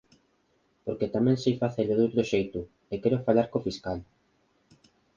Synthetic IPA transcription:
poɾket̪amɛ̃ŋsijfaθeʎoðowt̪ɾoʃejt̪ʊ | ekɛɾofaʎaɾkofiskal

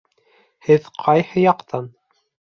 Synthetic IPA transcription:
hɘðqʰɑjhɤ̆jɑqt̪ʰɑn

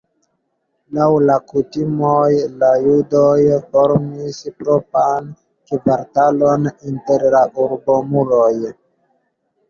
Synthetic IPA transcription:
lawlakutimojlajudojfoɾmispɾopan | kivaɾtaloninteɾlaʔuɾbomuloj

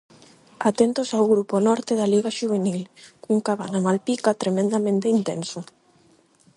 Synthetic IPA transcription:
at̪ent̪osawɣɾuponɔɾt̪eðaliɣaʃuβ̞enilkuŋkaβanamalpikat̪ɾemẽnd̪amẽnt̪eint̪enso

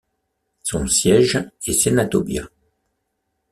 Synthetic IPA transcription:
sɔ̃sjɛʒesenat̪ɔbja̰

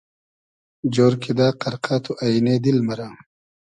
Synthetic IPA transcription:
d͡ʑoːɾkʰed̪aːqɐɾqʰaːt̪ʰuʔaineːd̪ilmɐɾaː

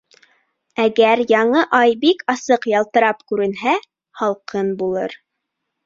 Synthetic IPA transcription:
æɡæɾjɑɴɤʔɑjbikɑsɤqjɑlˠt̪ɤ̆ɾɑpkʉɾɘ̆nɦæ | hɑlˠqʰɤnbulˠɤ̰ɾ

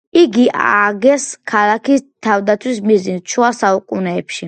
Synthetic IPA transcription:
iɡiʔa̰ɡɛskʰalakʰist̪ʰavd̪at̪sʰwismizint͡ʃʰuasaukʼunɛːpʃi

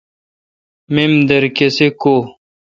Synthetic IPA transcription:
memd̪ɐɾkesekoː

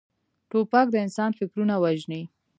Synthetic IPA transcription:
ʈopak̚d̪əɪnsɑnfɪkɾunawaʒni

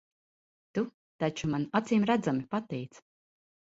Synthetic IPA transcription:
t̪u | t̪at͡ʃumanat̪siːmɾæd̪zamipat̪ɛjt̪s

